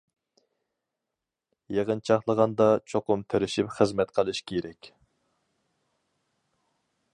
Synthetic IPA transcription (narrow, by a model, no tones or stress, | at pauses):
jeʁənt͡ʃʰɑχlˠəʁɑnd̪ɑt͡ʃʰoqʊmt̪ʰeɾɪʃipχəzmɛt̪qʰəlˠɨʃkʲʰeɾɛkʲ